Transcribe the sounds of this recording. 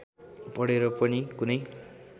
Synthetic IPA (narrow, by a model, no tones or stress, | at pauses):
pʌɽeɾʌpʌnikunʌj